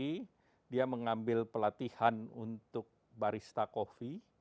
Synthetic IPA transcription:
i | diaməŋambɪlpəlat̪ihanṵnt̪ʊk̚ | baɾist̪akofi

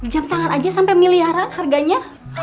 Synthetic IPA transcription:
d͡ʒamt̪aŋanad͡ʒasampamiliaɾanharɡaɲa

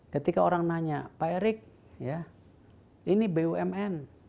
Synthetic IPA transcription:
kət̪ikaoɾaŋnaɲapaeɾɪk̚ | ja | inibeuɛmɛn

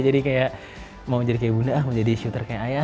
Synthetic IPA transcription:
d͡ʒadikajaʔ | maud͡ʒadikajabunahmad͡ʒadiʃut̪ərkajaʔaja

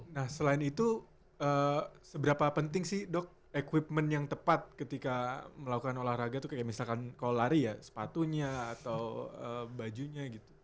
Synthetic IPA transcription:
nahsəlaɪnit̪u | əːsəbəɾapapənt̪ɪŋsɪhdɔk̚ | ekwipmənjaŋt̪əpat̪̚kət̪ikaməlakukanolahraɡat̪ukajaʔmisalkankallaɾijasə̥pat̪uɲaːt̪awəbad͡ʒuɲaɡit̪u̥

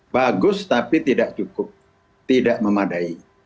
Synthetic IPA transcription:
baɡʊst̪apit̪idaʔt͡ʃukʊp̚ | t̪idaʔməmadai

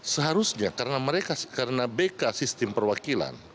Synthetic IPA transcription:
səɦaɾusɲakaɾənaməɾekakaɾənabekasist̪ɪmpərwakila̰n

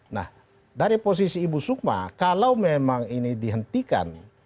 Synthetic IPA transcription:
na̰h | daɾipɔs̬isiːbusuk̚ma̰kalaumɛmaŋinidiɦənt̪ika̰n

